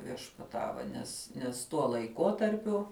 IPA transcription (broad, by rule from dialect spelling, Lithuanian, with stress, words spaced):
ʋʲiɛʃpɐˈtɑːʋɐ nʲɛs nʲɛs tuɔ lˠɐɪˈkoːtɐrʲpʲʊ